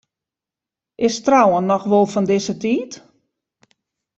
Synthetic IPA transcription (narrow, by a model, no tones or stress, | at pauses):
ʔɪstrawənːɔxʋolˠfɔndɪsətiːt